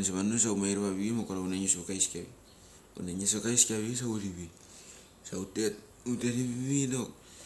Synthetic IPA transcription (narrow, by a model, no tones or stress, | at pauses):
s̬aβanos̬aumajɾaβaβiimokaɾaunaɲosβokajskiaβḭ | ṵnaɲesokajskaβis̬awɾiβi | sautet | uteɾiβiβinok